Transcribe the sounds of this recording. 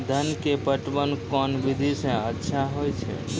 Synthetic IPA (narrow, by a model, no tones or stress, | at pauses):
d̪ʱənkepəʈbənkɔnbid̪ʱisə̃ətːʃʰaɦojt͡ʃʰɛ̰